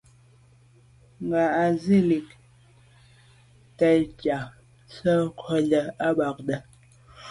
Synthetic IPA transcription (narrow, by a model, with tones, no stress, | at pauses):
ŋ˨ɡa˨a˨zi˦˨li˨k | tə˨jka˨ | sə˦kʰɔ˦lə˨a˦ɓa˨k̚ɗə˦